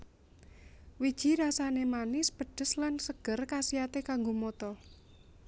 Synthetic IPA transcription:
wid̥ʒ̥i̤ɾasanemanɪspəɖ̥ə̤slansəɡ̥ə̤rkasiat̪ekaŋɡomot̪ɔ

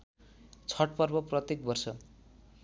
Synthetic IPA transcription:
t͡sʰʌʈ̚pʌrbʌprʌt̪jek̚bʌrsʌ

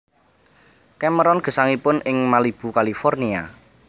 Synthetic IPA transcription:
kɛməɾɔnɡ̥ə̤saŋipʊnɪŋmalib̥ṳkalifɔrnia

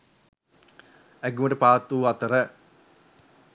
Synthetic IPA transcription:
æɡuməʈəpaːt̪ːuːat̪əɾə

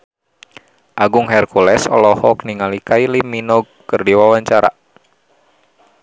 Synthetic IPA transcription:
ʔaɡʊŋɦɛrkulɛsɔ̰lɔhɔk̚niŋalikailiminɔɡ̚kːɨrdiwawaɲt͡ʃaɾa̰

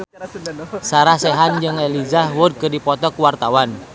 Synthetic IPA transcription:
saɾahsɛɦand͡ʒɨŋɛlid͡ʒahwʊd̚kɨrdipɔt̪ɔkuwart̪awan

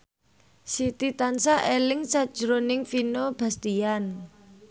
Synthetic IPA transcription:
sit̪it̪ansaʔelɪŋsad̥ʒ̥ɾonɪŋfinob̥a̤st̪ian

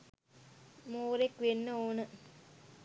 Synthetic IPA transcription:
moːɾekʋenːəoːnə

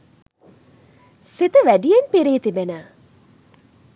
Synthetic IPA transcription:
sit̪əʋæɖijenpiɾeːt̪ibenə

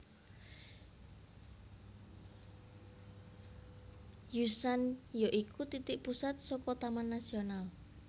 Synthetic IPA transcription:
jusanjoʔikut̪it̪ɪʔpusat̪̚sɔkɔt̪amanːasional

